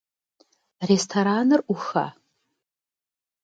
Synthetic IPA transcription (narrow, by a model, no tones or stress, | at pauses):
restʰoɾanɨruxa̰